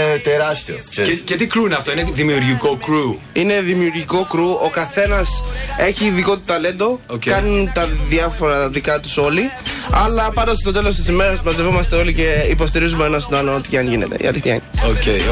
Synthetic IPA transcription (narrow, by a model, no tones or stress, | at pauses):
t̪eɾɐst̪ioecet̪ikɾuneɐft̪oineðimiuɾʝikokɾu | ine̞ðimiuɾʝiko̞kɾuokɐθe̞nɐse̞çiːðiko̞t̪u̥t̪ɐle̞nd̪o̞kɐnunt̪ɐðiɐfo̞ɾɐðikɐt̪u̥so̞liɐlɐpɐnd̪ɐsst̪o̞t̪elost̪isime̞ɾɐsmɐzevomɐst̪eo̞lice̞ipo̞st̪iɾizumeonɐst̪onɐlonot̪i̥cɐnʝine̞̰t̪ḛḭɐ̰liθiɐḭnoce